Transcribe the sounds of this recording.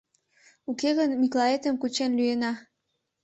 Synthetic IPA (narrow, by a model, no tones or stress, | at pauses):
ukeɣənmiklˠɑet̪əmkut͡ɕenlyenɑ